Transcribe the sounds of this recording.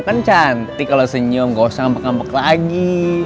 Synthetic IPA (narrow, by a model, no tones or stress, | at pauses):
kant͡ʃant̪ikalosəɲɔmɡosaŋmbəkampəklaɡi